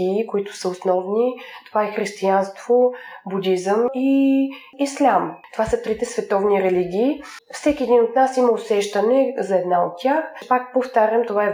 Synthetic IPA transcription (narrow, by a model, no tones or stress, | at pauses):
iːkoit̪ʊ̥səosnɔvnit̪ovaɛxɾist̪ianst̪vobud̪ʲizəmi | islʲamt̪ovasət̪ɾit̪ɛsvɛt̪ɔvniɾɛliɡʲiːfsɛkʲiɛd̪inot̪nasiməosɛʃt̪ənɛzɐɛd̪naot̪ːʲaxpakpoft̪aɾʲəmt̪ovaɛ